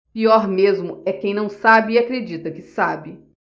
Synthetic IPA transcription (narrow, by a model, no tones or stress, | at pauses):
piɔɾmezmʊɛkẽj̃nɐ̃w̃sabɪakɾed͡ʒit̪ɐkɪsabɪ